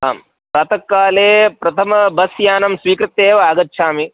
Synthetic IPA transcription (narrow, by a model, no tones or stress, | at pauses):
ɦaːm | pɾaːt̪ɐkːaːleːpɾɐt̪ʰɐmɐbɐsjaːnɐmsʋiːkɾɪt̪ːeːʋɐaːɡɐtːʃʰaːmi